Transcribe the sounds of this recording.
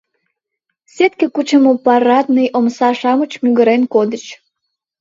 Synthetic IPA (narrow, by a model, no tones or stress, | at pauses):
set̪̚kekut͡ɕəmopɑrɑt̪nəjʔomsɑʃɑmət͡ɕmyɣəɾenkod̪ət͡ɕ